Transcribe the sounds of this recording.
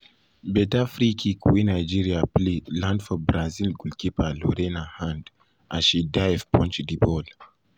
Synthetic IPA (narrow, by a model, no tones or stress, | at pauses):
bɛtafɾikʰikuwinajd͡ʒiɾiaplilãndfɔbɾazilɡulkipalɔɾɛnahãnd | a̰ʃidajɛvpʰɔ̃nt͡ʃdibɔl